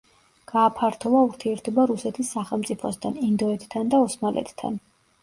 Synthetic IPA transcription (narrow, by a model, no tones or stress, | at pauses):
ɡ̥aːpʰaɾt̪ʰɔvauɾt̪ʰiɛɾt̪ʰɔbaɾusɛt̪ʰisːaχɛlˠmt̪sʼipʰɔst̪ʰanind̪ɔɛt̪ʰt̪ʰːand̪aɔsmalʔɛ̰t̪t̪ʰːa̰n